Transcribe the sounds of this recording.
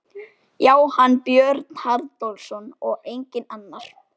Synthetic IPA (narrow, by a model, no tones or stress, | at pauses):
jaːwhanːpjœɾt̪n̥haɾt̪olsɔnɔɣejɲcɪnanːaɾ̥